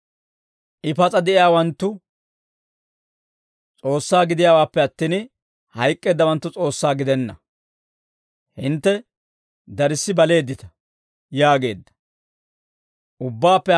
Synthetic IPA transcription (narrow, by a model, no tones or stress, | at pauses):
ʔɪpɐt͡sʼɐd̪ɛʔɪjaːwɐnt̪ːʊ | t͡sʼo̞ːsːaːɡɪd̪ɪjaːwaːpːɛɐt̪ːiːn | hɐjkʼːeːd̪ːɐwɐnt̪ːʊt͡sʼo̞ːsːaːɡɪd̪ɛnːɐ̰ | hɪnt̪ːɛ | d̪ɐɾɪsːɪbɐle̞ːd̪ːɪt̪ɐ̥ | jaːɡe̞̰ːd̪ːɐ̥ | ʔʊbːaːpːɛ